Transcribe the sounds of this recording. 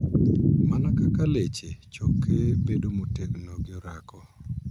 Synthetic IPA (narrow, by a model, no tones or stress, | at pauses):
manakakalet͡ʃet͡ʃokːebedomoteknoɡjɔɾakɔ